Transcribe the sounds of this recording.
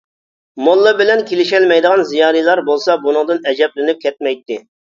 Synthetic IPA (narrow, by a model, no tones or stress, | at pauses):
molˠːɨbɪlɛnkʲelɪʃɛlmɛjd̪əʁɑnzijɑːɾijlˠɑɾbolˠsɑbunɨŋd̪ɨnɛd͡ʒɛplɪnyp̚kʲʰɛt̪̚mɛjt̪ːɪ